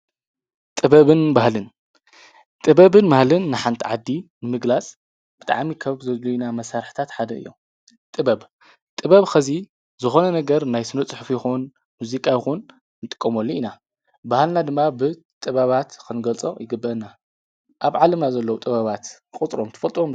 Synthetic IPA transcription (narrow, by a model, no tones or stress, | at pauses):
t̪ʼɨβɐβɨnbahlɨn | t̪ʼɨbɐβɨnmahlɨnːɨħant̪ʰiʕad̪ːinɨmɨɡlat͡sʼ | b̥ɨt̪ʼa̰ʕmikʰɐβzɐzlujinamɐsaɾħt̪ʰat̪ħad̪ɐɨ̰jːo̰ | t̪ʼɨbɐb | t̪ʼɨβɐβxʰɐzi | zɨxo̞nɐnɐɡɐɾnajsɨnɐt͡sʼɨħfjɪxun | muzikʼajɪxun | nɨt̪ʼɨ̥kʼːɐmolːiina | bahlnad̪ɨmːabɨ | t̪ʼɨβɐβat̪kʰɨnɡɐlt͡sʼo̰jɪɡɨbːɐna | ʔaβʕalɐmnazɐlːɐwt̪ʼɨβɐβat̪ɨxʼɨt͡sʼɾomt̪ʰɐ̥fɐlt̪ʼom